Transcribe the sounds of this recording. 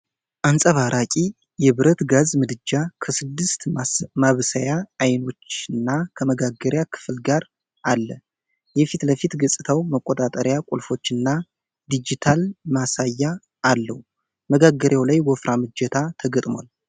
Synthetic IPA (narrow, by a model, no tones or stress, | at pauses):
ʔansʼəβaɾʔakʼi | jɛβɨɾət̪ɡazmɨd̪ɨd͡ʒːakʰəsɨd̪ːɨst̪maβsəjaːjno̞t͡ʃːɨnːakʰəməɡaɡəɾjakʰɨ̥flɡaɾ | ʔalːə | jɛfit̪ləfit̪ɡəsʼɨt̪ʰawməkʼot̪ʼat̪ʼəɾjakʷʼulfo̞t͡ʃːɨnːa | d̪id͡ʒit̪ʰalmasajːa | ʔːlːə̰hu | məɡaɡːəɾjawlajwɔfɾʔamɨd͡ʒːɛt̪ʰat̪ʰəɡət̪ʼmwa̰l